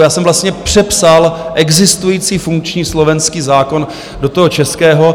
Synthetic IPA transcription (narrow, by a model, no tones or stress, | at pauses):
jaːsɛmvlast̪ɲɛpr̝̥ɛpsalʔɛɡzɪst̪ujiːt͡siːfuŋkt͡ʃɲiːslo̞vɛnskiːzaːko̞n | dot̪oɦot͡ʃɛskɛːɦo